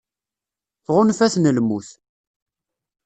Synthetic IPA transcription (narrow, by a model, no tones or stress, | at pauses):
θʁʊnfæθnəlmuθ